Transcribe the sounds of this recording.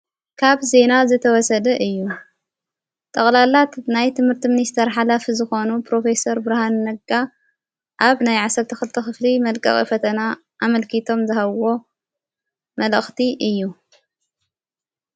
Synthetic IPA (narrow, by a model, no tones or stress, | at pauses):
kʰaβze̞nazɨt̪ʰɐwɔsɐd̪ɐʔɨjːu | t̪ʼɐχʼlalat̪najt̪ʰɨmhɨɾt̪ʰimɨnist̪ʰɐɾħalafizɨxo̞nupʰɾo̞fe̞sɐɾbɨɾahanːɐɡa | ʔaβnajʕasɐɾt̪ʰɐxɨlt̪ʰɐxɨflimɐlkʼɐ̰χʼḭfɐt̪ʰɐna | ʔamɐlkʰit̪ʰo̞mzɨhaβo̞ | mɐləxt̪ʰiʔɨjːu